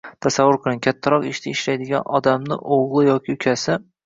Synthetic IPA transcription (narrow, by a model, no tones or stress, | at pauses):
t̪ʰasavːʊɾqʰɨlˠɪŋkʲʰat̪ʰːaɾɒqɪʃt̪ʰaɪʃlajd̪ɪɡʲa̰nɒd̪amnɪ̰ʔoʁlˠɨjɒkʲʰɪʊkʲʰasɪ